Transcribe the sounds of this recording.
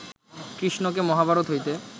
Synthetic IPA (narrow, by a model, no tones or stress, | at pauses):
kɾiʃnok̬emɔɦabʱaɾot̪ɦojt̪e